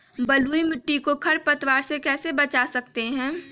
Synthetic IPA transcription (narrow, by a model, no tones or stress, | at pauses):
bɐluːimɪʈːikokʰɐɾpɐt̪waːɾsekɛːsebɐt͡ʃasɐk̚t̪eɦɛ̃ː